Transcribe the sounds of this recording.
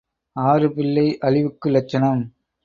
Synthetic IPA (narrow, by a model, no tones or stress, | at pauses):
aːɾɯpɪlːɐɪʔɐɭɪʋɯkːɯlɐt͡ʃːɐnɐm